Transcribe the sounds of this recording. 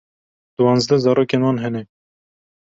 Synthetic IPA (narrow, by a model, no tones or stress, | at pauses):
d̪̥ʊwɑːnzd̪ɛzɑːɾoːkeːnwɑːnɦɛnɛ